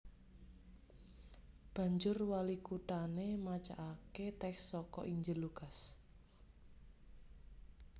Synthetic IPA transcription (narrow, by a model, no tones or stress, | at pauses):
b̥ä̤ɲd͡ʒʊrwalikut̪anemat͡ʃa̰ʔaket̪ɛksːɔkɔ̰ʔiɲd͡ʒɪluɡas